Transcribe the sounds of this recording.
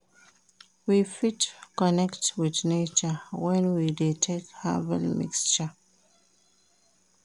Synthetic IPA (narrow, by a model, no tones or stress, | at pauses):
wifitkɔnɛktwidnet͡ʃəwɛ̃nwidetʰekha̰vɛ̰lmḭkst͡ʃə